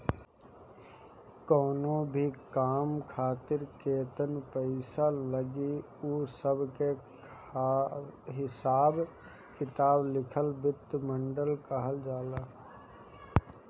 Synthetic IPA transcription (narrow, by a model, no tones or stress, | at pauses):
kɔːnõbʱikaːmkʰaːt̪ɪɾkeːt̪ənpəɪsaləɡi | uːsəbke | ɦɪsaːb | kɪt̪aːblɪkʰəlbɪt̪ːmə̃ɳɖəlkəɦəld͡ʒaːlaː